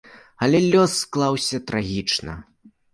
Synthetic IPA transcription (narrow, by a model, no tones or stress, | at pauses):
ɐlʲɛlʲɔsːklˠawsʲɐt̪ɾaɣʲit͡ʂnɐ̰